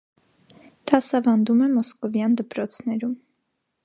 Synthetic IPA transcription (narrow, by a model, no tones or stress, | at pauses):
d̪̥ɑsɑvɑnd̪umɛmɔskɔvjɑnd̪əpɾɔt͡sʰnɛɾum